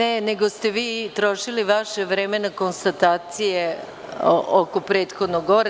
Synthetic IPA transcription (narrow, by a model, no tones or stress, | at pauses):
eneɡost̪eʋiːt̪ɾo̞ʃiliʋaʃeʋɾemenako̞nst̪at̪aːt̪sije | ʔokopɾeːt̪xod̪noɡo̞ɾ